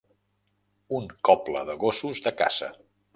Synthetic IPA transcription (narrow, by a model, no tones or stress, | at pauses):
uŋkɔpləðəɣosuzðəka̰z̥ə̰